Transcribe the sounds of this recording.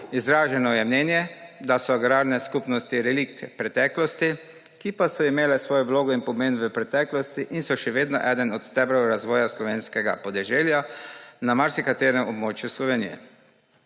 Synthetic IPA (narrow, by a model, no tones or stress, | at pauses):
izɾaːʒɛnɔjɛmnɛːnjɛd̪asɔaɡɾaːɾnɛskupnɔst̪iɾɛlik̚t̪ɛpɾɛt̪ɛːklɔst̪i | kipasɔimeːlɛsʋoːjɔʋloːɡɔinpɔmeːnʋəpɾɛt̪ɛːklɔst̪iʔinsɔʃɛʋeːd̪nɔʔɛːd̪ənɔt̪st̪ɛbɾɔwɾazʋɔːjaslɔʋeːnskɛɡa̰pɔd̪ɛʒeːljanamaɾsikat̪eːɾɛmɔbmoːt͡ʃjuslɔʋeːnijɛ̰